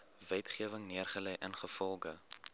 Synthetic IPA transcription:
vɛtχiəvəŋniərχəlɛjʔənχəfɔlˠɡə

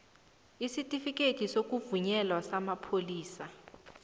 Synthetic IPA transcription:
isitʼifikʼetʰʼisok̬ʼuvuɲɛlwasamapʰoliːsa

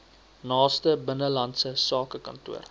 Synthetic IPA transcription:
nɑːstəbənəlɐntsəsɑːkəkɐ̰ntṵər

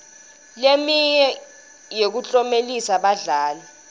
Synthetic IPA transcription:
lemiɲɛ | jek̬ut͡ɬʼɔmelisaɓaɮaːla

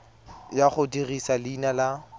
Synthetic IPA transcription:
jaχʊdirisalinala

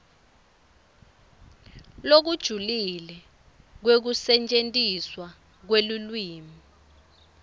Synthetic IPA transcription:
lok̬ud̥ʒ̥ʱulilɛ | k̬wek̬usɛnt͡ʃʼentʼiswa | k̬welulwiːmi

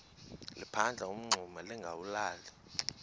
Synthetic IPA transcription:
lḭpʰand͡ɮʱaum̩ŋ͡ǀʱumaliŋɡʱawulaːli

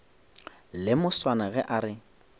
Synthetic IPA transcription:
lɪmʊswanaɣɛʔaɾɪ

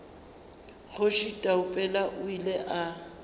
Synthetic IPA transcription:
ɣʊʃitʼaʊpʼɛlaʔʊileʔa

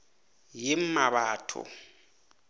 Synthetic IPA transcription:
jɪm̩maβaːtʰɔ̰

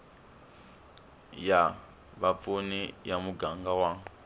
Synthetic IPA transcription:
ja | βap̪funijamuɡaŋɡawaŋ

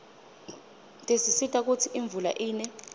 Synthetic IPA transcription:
tʼesisitʼak̬ut͡sʰiʔiɱb̪vula̰ʔiːnɛ

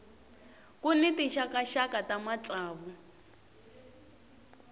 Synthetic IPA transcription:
kʼunɛtiʃakaʃakʼatamat͡ɬʼaːβu

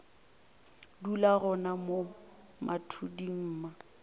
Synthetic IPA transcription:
dulaɣʊnamo | mʔatʰudiŋ̩ːma

